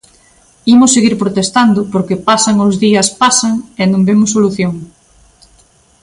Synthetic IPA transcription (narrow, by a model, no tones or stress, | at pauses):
imʊsːeɣiɾpɾot̪est̪and̪ʊpoɾkepasaŋozðiɐspasaŋenõmbemʊsːoluθjoŋ